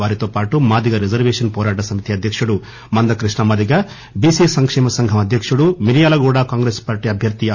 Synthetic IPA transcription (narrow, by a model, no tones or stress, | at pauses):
aːɾit̪oːpaːʈumaːd̪iɡɐɾid͡ʒɐɾʋeːʂɐnpɔːɾaːʈɐsɐmit̪iɐd̪ʱjɐkʂuɽu | mɐnd̪ɐkɾiʂɳɐmɐd̪iɡɐ | biːsiːsɐŋkʂɛːmɐsɐŋɡʱɐmɐd̪ʱjɐkʂuɽumiɾijaːlɐɡuːɽaːkaːŋɡɾeːspaːɾʈiːɐbʱjɐɾt̪i